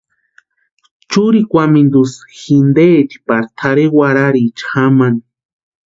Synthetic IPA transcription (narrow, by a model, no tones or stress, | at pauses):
t͡ʃuɾikʷamind̪usxind̪eːt̪i̥paɾt̪ʰaɾewaɾaɾit͡ʃxaman